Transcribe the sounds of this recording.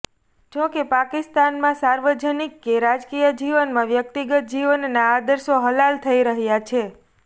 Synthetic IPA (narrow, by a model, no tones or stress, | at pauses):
d͡ʒokepakist̪anmãsaɾʋəd͡ʒənikːeɾad͡ʒkijəd͡ʒiʋənmãʋjək̚t̪iɡət̪̚d͡ʒiʋənːaːd̪əɾsoɦəlalt̪ʰəiɾəɦjat͡ʃʰe